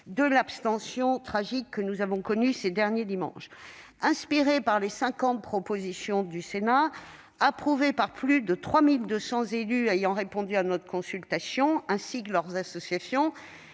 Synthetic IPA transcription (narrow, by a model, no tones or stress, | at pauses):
d̪əlapst̪ɑ̃sjɔ̃t̪χaʒikːənuzavɔ̃kɔnysed̪ɛʁnjed̪imɑ̰̃ʃ | ɛ̃spiʁepaʁlesɛ̃kɑ̃t̪̚pχɔpozisjɔ̃d̪ysena | apχuvepaʁplyd̪ət̪χwamild̪øsɑ̃zelyejɑ̃ʁepɔ̃d̪yanɔt̪χə̥kɔ̃sylt̪asjɔ̃ɛ̃sikəlœʁzasɔsjasjɔ̃